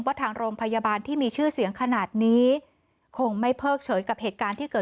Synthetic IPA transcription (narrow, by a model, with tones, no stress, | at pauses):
ŋwaː˥˩t̪ʰaː˧ŋɾoː˧ŋpʰa˧ja˧baː˧nt̪ʰiː˥˩miː˧t͡ɕʰɯː˥˩si˨˩˦əŋkʰa˧naː˨˩t̪̚niː˦˥ | kʰo˧ŋma˥˩jpʰɤː˥˩k̚t͡ɕʰɤː˩˦jka˨˩p̚heː˨˩t̪̚kaː˧nt̪ʰiː˥˩kɤː˨˩